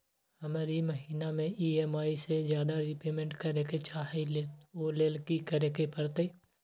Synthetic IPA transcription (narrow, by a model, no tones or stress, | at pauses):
həmaːɾiməɦiːnamẽiːemaːisezjaːd̪aɾɪpeːmẽɳʈkəɾeket͡ʃaːɦileoːleːlkikəɾeːkepəɾt̪e